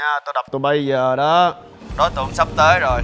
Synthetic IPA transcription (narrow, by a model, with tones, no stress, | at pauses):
aː˧t̪o˧jɗa˨˩k͡p̚t̪o˧˩jɓə˧jzəː˨˩ɗɔ˨˦ | ɗɔ˨˦jt̪ɨ˨˩əŋsa˦˥p̚t̪əː˨˦jzo˨˩j